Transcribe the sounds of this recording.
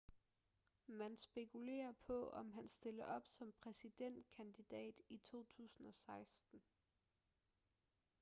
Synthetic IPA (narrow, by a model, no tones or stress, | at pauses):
mænsb̥e̝kʰule̝̰ːɐpʰɒ̽ɒ̽mɦænsd̥e̝lɐʔɒ̽b̥sɒ̽mpʰʁɛsid̥en̰d̥̚kʰænd̥id̥ɛ̰ːd̥it͡sʰo̝̰ːt͡sʰṵːsn̩ɒ̽sɑ̈ɪsd̥n̩